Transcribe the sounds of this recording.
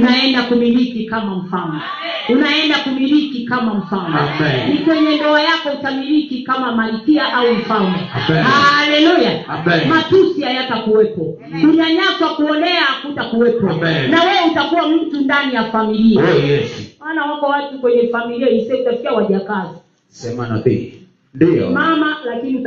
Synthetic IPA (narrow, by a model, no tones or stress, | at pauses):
naɛndakumilikikamam̩fanɔ | unaɛndakumilikikamam̩fannikwɛɲɛndɔajakɔutamilikikamamalikiaʔaum̩famɔalɛlujamatusihajatakuwɛpɔ | kuɲaɲaswakuɔnɛakutakuwɛpɔnawɛutakuwam̩tundanijafamilia | manawambɔwatukwɛɲɛfamiliaisɛutafkiawaʄakazi | sɛmana̰pḭ | ndiɔ̰mamalakiniu